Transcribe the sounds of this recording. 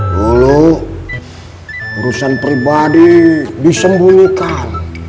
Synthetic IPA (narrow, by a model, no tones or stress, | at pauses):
lulo | uɾusanpɾibadidisəmbunikan